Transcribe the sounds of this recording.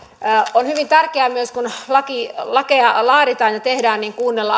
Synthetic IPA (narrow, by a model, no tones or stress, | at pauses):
onhyʋint̪ærkeæmyøskunlɑkilɑkeɑlɑːɾit̪ɑːnjɑt̪ehdæːnniːŋkuːnːelːɑ